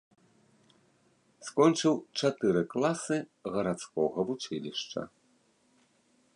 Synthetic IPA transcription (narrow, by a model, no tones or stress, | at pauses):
skɔnt͡ʂɨwt͡ʂat̪ɨɾɨklˠasɨɣɐɾat̪skɔɣɐvut͡ʂɨlʲiʂt͡ʂɐ̰